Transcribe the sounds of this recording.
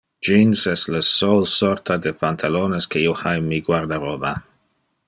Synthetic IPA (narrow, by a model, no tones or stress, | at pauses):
d͡ʒinsɛstləsolsoɾt̪ʰad̪epant̪ʰaloneskeiohajmːiɡwaɾd̪aɾoba